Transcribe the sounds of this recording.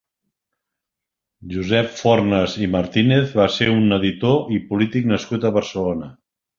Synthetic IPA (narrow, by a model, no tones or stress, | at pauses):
ʒuzɛpfɔrnəziməɾt̪ineθβaseunəðit̪oʔipulit̪ik̚nəskut̪əβəɾsəlonə